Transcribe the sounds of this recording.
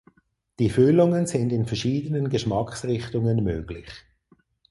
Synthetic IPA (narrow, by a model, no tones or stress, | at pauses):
d̥iːfʏlʊŋənzɪndɪnfɛɐʃiːdənənɡəʃmɑksʁɪχtʊŋənmøːɡ̥lɪχ